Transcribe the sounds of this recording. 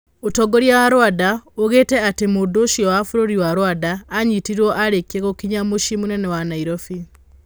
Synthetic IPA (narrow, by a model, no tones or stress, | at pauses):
otɔɡoɾjawaɾwadaoɣetɛatemodoʃiɔwafuɾoɾiwaɾwadaːɲitiɾɔʔaɾekieɣokiɲamoʃimunɛnɛwanaiɾofi